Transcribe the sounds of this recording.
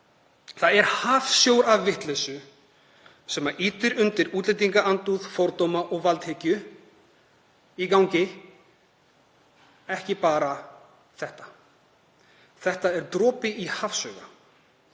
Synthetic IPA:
θaðɛɾ̥haːfsjowɾavːɪht̪lɛsʏ | sɛmːaʔiːt̪ʏɾʏnt̪ɪɾuːt̪lɪjt̪̬iŋkaant̪uðfɔwɾt̪ɔmaʔɔɣvalt̪hecʏ | ikawɲcɪ | ɛhcɪpaːɾa | θɛht̪ḁ | θɛht̪aɛɾ̥t̪ɾɔːpɪihaːfsœːɣa̰

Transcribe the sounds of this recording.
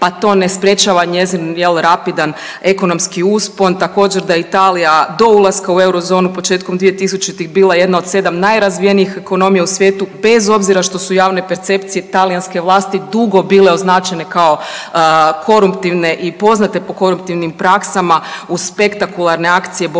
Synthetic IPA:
pat̪o̞ːne̞spɾje̞t͡ʃaʋaɲe̞zinjelˠɾapid̪an | e̞ko̞no̞mskiuːspo̞nt̪ako̞ːd͡ʒe̞ɾd̪ajeit̪aːlijad̪o̞ulˠaskaue̞wɾo̞zo̞ːnupo̞t͡ʃe̞ːt̪ko̞md̪ʋije̞t̪is̬ut͡ʃit̪ixbiːlˠaje̞d̪nao̞d̪se̞d̪amnajɾazʋijeniixe̞ko̞no̞mijausʋje̞ːt̪ube̞zo̞bziɾaʃt̪o̞sujaːʋne̞pe̞ɾt̪se̞pt̪sije̞t̪alijanske̞ʋlˠaːst̪id̪uɡo̞biːleo̞znaːt͡ʃe̞ne̞kao̞ | kʰo̞ɾumpt̪iʋne̞ʔipo̞znat̪e̞po̞ko̞ɾupt̪iʋnimpɾaksamauspe̞kt̪akulˠaɾne̞akt̪sije̞b

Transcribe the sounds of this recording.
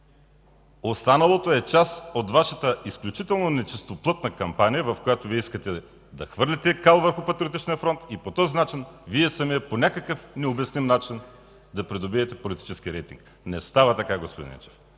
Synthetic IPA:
ost̪anɐlˠot̪oɛt͡ʃasot̪vaʃɐt̪əisklʲut͡ʃit̪ɛlˠnonɛt͡ʃist̪oplˠɤt̪nəkɐmpanijəvɐfkojat̪oviɛiskət̪ɛ | d̪ɐxvɤɾlʲɛt̪ɛkalˠvəɾxʊpɐt̪ɾiot̪it͡ʃniəfɾɔnt̪ipot̪ɔzinat͡ʃinviɛsɐmiɛponʲakəkəfnɛobɛsnimnat͡ʃin | d̪ɐpɾid̪obiɛt̪ɛpolit̪i̥t͡ʃɛsk̟iɾɛjt̪ḭŋk̚ | nɛst̪avɐt̪ɐkaɡospod̪ḭnt͡ʃɛ̥f

